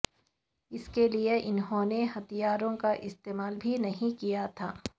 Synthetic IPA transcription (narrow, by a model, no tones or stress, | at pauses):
ɪskelieʔɪnɦõneɦɐt̪ijaːɾõkaʔɪst̪eːmaːlbʱinɐɦĩkijat̪ʰaː